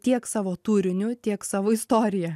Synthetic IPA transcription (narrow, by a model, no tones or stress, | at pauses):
t̪ʲiɛksɑːʋoːt̪uːɾʲɪnʲʊt̪ʲiɛksɑːʋoːɪst̪oːɾʲɪjɛ